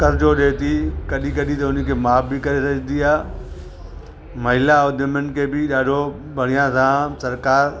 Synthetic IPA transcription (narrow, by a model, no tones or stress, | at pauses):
kɐɾd͡ʑoɗeːt̪ikɐɗikɐɗĩt̪ɐʊnəkʰeːmaːfbɪkɐɾesɐɡnd̪iaː | mɐɦɪlaoːd̪ʱəmən̆kʰeːbɪɗaːɖʱo | bʱɐɽ̤ijãsãsɐɾkaːɾ